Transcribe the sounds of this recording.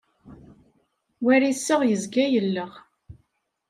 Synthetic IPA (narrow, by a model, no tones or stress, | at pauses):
wæɾisːəʁjəzɡæjəlːəʁ